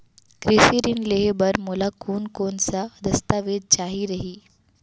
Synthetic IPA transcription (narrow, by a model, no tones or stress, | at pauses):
kɾɪsiɾɪnleːɦbɐɾmʊlakʰuːnkoːnsad̪ɐst̪aːʋeːd̪̚t͡ʃaːɦiɾɐɦiː